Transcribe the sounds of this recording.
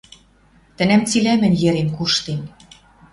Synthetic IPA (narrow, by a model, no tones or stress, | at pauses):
t̪ɘ̆næmt͡silæmɘ̆njɘ̆ɾenkuʃt̪en